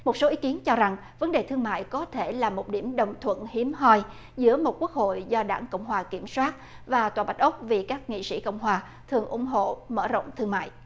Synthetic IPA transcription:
mo˨˩t̚so˨˦ʔi˨˦˥ki˨˦ənt͡ɕɔ˧za˨˩ŋ | və˨˦nɗe˨˩t̪ʰɨ˧əŋma̰ː˧˨jkɔ˨˦t̪ʰe˧˩laː˨˩mo˨˩t̚ɗi˧˩əmɗə˨˩wŋ͡mt̪ʰwə̰˧˨nhi˨˦əmɦɔ˧j | zɨ̰˧˥əmo˨˩t̚ku˦˥ək̚ho̰˧˨jzɔ˧ɗaː˧˩ŋko̰˧˨wŋ͡mɦwaː˨˩ki˧˩əmswaː˦˥t̚ | vaː˨˩t̪waː˨˩ɓa˨˩t̟̚ʔə˦˥k͡p̚vi˨˩kaː˦˥k̚ŋḭ˧˨sḭ˧˥kɔ̰˧˨wŋ͡mɦwaː˨˩ | t̪ʰɨ˨˩əŋʔʊ̰˧˩ŋ͡mɦo̰˧˨mə̰ː˧˩zə̰˧˨wŋ͡mt̪ʰɨ˧əŋma̰ː˧˨j

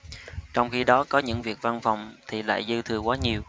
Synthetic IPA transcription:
t͡ɕɔ˧wŋ͡mxi˧ɗɔ˨˦kɔ˨˦ɲɨ̰˧˥ŋvi˨˩ək̚va˧nfɔ˨˩wŋ͡mt̪ʰi˨˩la̰ː˧˨jzɨ˧t̪ʰɨ˨˧˩əkwaː˨˦ɲi˨˩əw

